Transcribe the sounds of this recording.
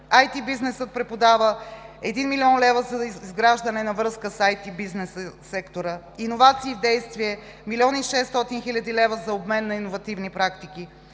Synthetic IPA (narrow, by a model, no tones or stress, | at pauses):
ajt̪ibiznɛsət̪̚pɾɛpod̪avəɛd̪inmiliɔnlɛvəzɐizɡɾaʒd̪ənɛnɐvɾɤskəsajt̪ibiznɛsəːɛkt̪oɾə | inovat̪siːvd̪ɛjst̪viɛ | milʲiɔniʃɛsːt̪ɔt̪inxilʲɐd̪ilɛvəzɐobmɛnːɐinovɐt̪ivnipɾakt̪iki